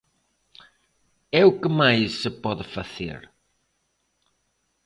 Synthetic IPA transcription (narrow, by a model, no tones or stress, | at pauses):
ɛukəmajsɨpɔðfɐθḛɾ